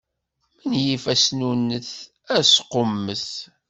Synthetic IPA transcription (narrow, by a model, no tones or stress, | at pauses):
mənjifæsnunːəθ | æsqomːəθ